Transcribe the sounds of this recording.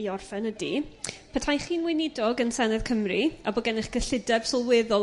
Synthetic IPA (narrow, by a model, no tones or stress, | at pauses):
iɔrfɛnədipʰɛtʰajχiːnwɪnɪdɔɡənsɛnɛðkʰəmriabɔɡɛnɪχɡ̥əɬɪdɛb̥sɔlˠwɪðʊlˠ